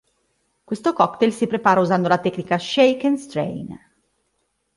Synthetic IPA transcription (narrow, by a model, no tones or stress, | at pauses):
kwest̪okɔkt̪elsipɾepaːɾauzand̪olat̪ɛkːnikaʃejkenst̪ɾḛjn